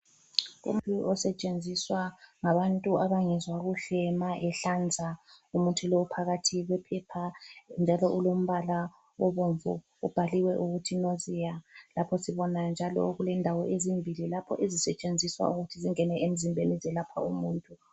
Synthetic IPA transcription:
ṵm̩ʼuʔɔsɛt͡ʃʼend͡zʱiswaŋaβantʼuaβaŋɛzwaɣuɬɛmaʔɛɬand͡zʱaumutʰuloupʰaɣatʰiɣwɛpʰɛpʰand͡ʒʱalɔʔulom̩βala | ɔβoɱvṵ | ub̥ʱaliwɛʔuɣutʰinozijalapʰɔsiβɔnand͡ʒʱalɔ̰ɣulɛndʱawɔʔezimbʱililapʰɔ̰ʔezisɛt͡ʃʼend͡zʱiswa̰uɣutʰiziŋɛnɛʔem̩zimbʱenizɛlapʰa̰umuːntʼu

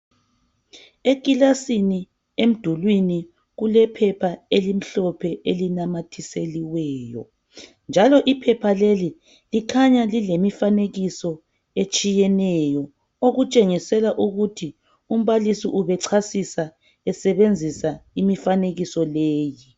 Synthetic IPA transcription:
ekʼilasini | em̩d̥ʱulwini | ɣulɛpʰɛpʰaelim̩ɬɔpʰɛelinamatʰiseliwɛːjɔ̰ | nd͡ʒʱalɔʔipʰɛpʰaleli | likʰaɲalilemifaneɣisɔ | et͡ʃʼijɛnɛjɔ | oɣut͡ʃʼeŋisɛlaʔuɣutʰi | um̩βalisiʔuβɛǀʰasisa | ɛsɛβend͡zʱisaimifaneɣisɔleːji

